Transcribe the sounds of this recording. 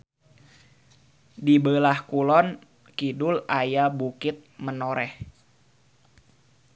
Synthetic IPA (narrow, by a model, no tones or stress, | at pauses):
dibəlahkulɔn | kidʊlajabukɪt̪̚mənoɾɛh